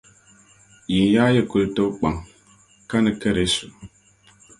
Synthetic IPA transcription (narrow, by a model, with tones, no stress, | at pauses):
ji˨nja˦jə˦˨ku˨ltə˦wk͡pa˨ŋ | ka˦nə˨kə˦ɾe˨˦su˨